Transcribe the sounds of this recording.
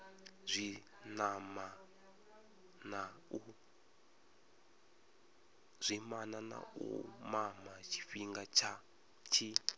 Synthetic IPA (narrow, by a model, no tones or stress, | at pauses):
zʷi | nama | nau | z̥ʷimanana̰ṵmamat͡ʃʰi̥fiŋɡat͡ʃʰa | t͡ʃʰi